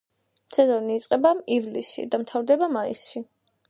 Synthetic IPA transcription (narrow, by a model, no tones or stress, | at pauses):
sʰɛzɔniːt̪sʼqʼɛbaivlisʃḭd̪amt̪ʰavd̪ɛbamaḭsʃi